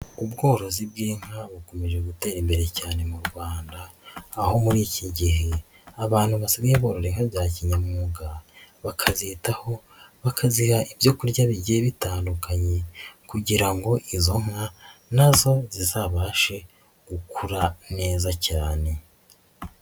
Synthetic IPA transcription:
ubɡo̞ːɾo̞zib̚ɡiːŋ̥haβuko̞me̞ʒe̞ɡute̞ːɾimbe̞ɾe̞caːne̞muɾɡwaːndaːho̞muɾiːciɟiɦe̞ | aβaːnhuβasaɡaeβo̞ːɾo̞ɾeŋ̥haβjaːciɲamuːɡaβakʰazitaho̞ | βakʰazihaʔibjo̞kuɾɟaβiɟieβitaːndukaɲe̞kuɟiɾaŋɡo̞ʔizo̞ŋanazo̞zizaːβaːʃe̞ | ɡ̥ukʰuɾane̞ːzacaːne̞

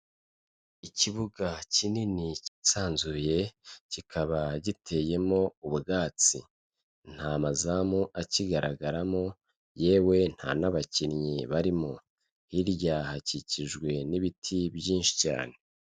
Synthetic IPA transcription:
iciβuɡacininici̥saːnzuje̞cikʰaβaɟitʰe̞je̞mo̞uβuɡaːt͡si | n̥hamazamoʔaciɡaɾaɡaɾamo̞ | je̞ːwe̞n̥ha̰naβacinɲiβaɾimo | hiɾjahaciciʒɡwe̞niβitʰibjiːnʃi̥ca̰ːne̞

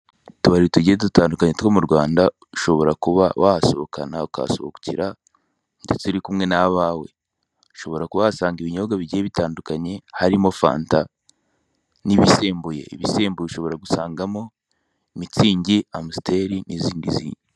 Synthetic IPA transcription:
tuβaɾituɟietutaːndukaɲe̞tkwo̞muɾɡwaːnda | uʃo̞βo̞ɾakuβa̰wahasoβokʰa̰nauka̰soβoku̥ciɾa | ndetuɾikumŋe̞naβaːwe̞ | u̥ʃo̞βo̞ɾakuβasaːŋɡiβiɲo̞ɡaβiɟieβitaːndukaɲe̞haɾimo̞fa̰ːnta | niβise̞ːmbuje̞̰iβise̞ːmbujeiʃo̞βo̞ɾaɡusaːŋɡamo̞ | imit͡siːɲɟiamuste̞ɾiniziːndizḭɲi

